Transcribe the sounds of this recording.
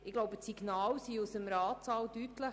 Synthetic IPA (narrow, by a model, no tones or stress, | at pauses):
ɪɡ̥loʊbətsiɡ̥nɑːlsiusəmɾɑːt͡sɑːldytlə